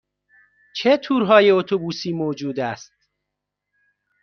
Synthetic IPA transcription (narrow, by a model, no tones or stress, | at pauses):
t͡ʃʰet̪ʰuːɾɦɒːje̞ot̪ʰobuːsiːmoːd͡ʒuːd̪æst̪̚